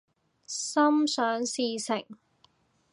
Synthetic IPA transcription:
sɐ˥msœː˨˥ŋsiː˧sɪ˨˩ŋ

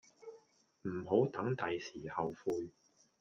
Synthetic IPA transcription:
m̩˨˩ɦo˨˥wt̪ɐ˨˥ŋt̪ɐ˨jsiː˨˩hɐ˨wfuː˧j

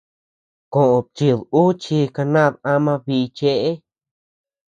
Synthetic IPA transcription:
kõ˨ʔõ˨t͡ʃi˧ðu˦t͡ʃi˧ka˧nã˦˨ða˦mã˧βi˧t͡ʃe˧ʔe˦

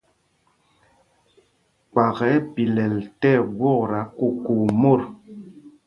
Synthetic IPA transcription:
k͡pa˨ɣɛ˨˦pi˨lɛ˨ltɛ˦˨ɡwɔ˦˨kɾa˨˦ku˨ku˨mo˦˨ɾ

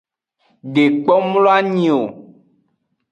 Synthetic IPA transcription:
ɖe˨k͡pɔ˦mlo˦a˦ɲĩ˨o˨

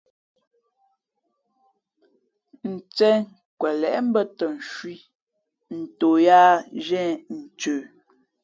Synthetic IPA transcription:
n̩˨t͡sɛ˦ŋ | kwɛ˨lɛ˨ʔm̩˦bə˦tə˨n̩˨ʃwi˦ | n̩˨to˨jaː˦ʒɛ̃˦˨n̩˨t͡ʃøː˨

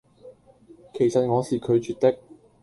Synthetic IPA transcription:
kʰe˨˩jsɐ˨t̚ŋɔː˨˧siː˨˩kʰɵ˨˧ɥt͡ʃyː˨t̪ɪ˥k̚

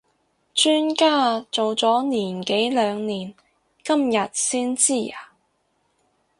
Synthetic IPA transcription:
t͡ʃyː˥nkaː˥˩t͡so˨wt͡sɔː˨˥niː˨˩nke˨˥jlœː˨˧ŋniː˨˩n | kɐ˥mjɐ˨t̚siː˥nt͡siː˥˩aː˨˩

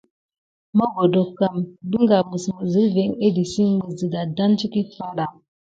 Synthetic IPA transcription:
mə˦ɡo˨do˨ka˦˨mbɨ˦ŋ˦ɡa˨mɨ˨smə˨zɨ˨˦ve˨˦ŋe˦di˨si˦ɡ͡bə˨zɨ˨da˨da˦nt͡ʃi˦ki˦fa˦ɾa˨

